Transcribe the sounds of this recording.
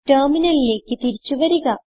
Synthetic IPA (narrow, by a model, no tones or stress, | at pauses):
ʈɐrminɐlile̞ːkːɨt̪iɾit͡ɕːuʋɐɾuɣɐ